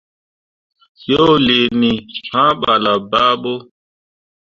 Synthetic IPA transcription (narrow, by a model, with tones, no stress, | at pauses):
sjo˦le˨ni˨ɬã˦ɓa˨la˨ba˦ɓo˦